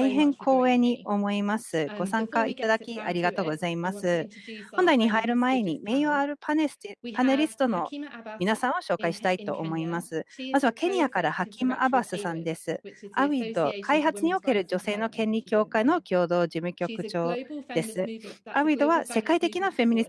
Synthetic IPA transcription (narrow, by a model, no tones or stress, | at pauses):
aiɦẽ̞ŋkʰo̞ːẽ̞ɲ̟ːio̞mo̞imasɨɡ̥o̞sãŋkait̪ad̪akʲiaɾʲiɡat̪o̞ːɡo̞zaimasɨhõ̞nd̪aiɲ̟iɦaiɾɯ̟mae̞ɲ̟ime̞joaɾɯ̟papaneɾʲisɨ̥t̪o̞no̞mʲinasãɰ̃o̞ɕo̞ːkaiɕi̥t̪ait̪o̞̰ʔːmo̞imasɨmazɨβake̞ɲ̟ijakaɾahakʲimɯʔabasɨsãnd̪e̞sɨa̰ɯ̟id̪o̞̰kʰaiɦat͡sɨɲ̟io̞ke̞ɾɯ̟d͡ʑo̞se̞ːno̞kẽ̞nʲɾʲikʲo̞ːkaino̞kʲo̞ːd̪o̞ːʑimɯ̟kʲo̞kɯ̟t͡ɕo̞ːd̪̥e̞sɨaɯ̟id̪o̞βase̞kait̪e̞kʲinaɸe̞mʲiɲʲi